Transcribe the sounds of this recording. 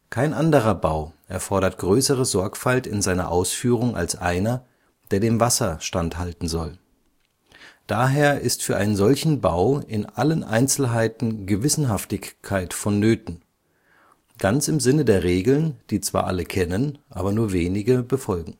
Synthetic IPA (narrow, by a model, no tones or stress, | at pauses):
kʰaɪnʔandəʁ̞ɐbaʊʔɛɐfɔɐɾɐtɡ̥ʁøːsəʁəzɔɐkfaltɪnzaɪnɐ̰ʔaʊsfyːʁ̞ʊŋʔa̰lsʔaɪnɐ | d̥eːɐdeːmvasɐʃtanthaltn̩zɔl | d̥aːɦeːɐʔɪstfyːɐʔaɪnənzɔlçn̩baʊɪnʔalənʔa̰ɪnt͡sl̩ɦaɪtn̩ɡəvɪsn̩ɦaftɪçkʰːaɪtfɔnːøːtn̩ | ɡ̥ant͡sɪmzɪnədeːɐʁeːɡl̩nd̥iːt͡sv̥a̰ːɐʔaləkʰɛnənʔa̰ːbɐnuːɐveːnɪɡəbəfɔlɡŋ̩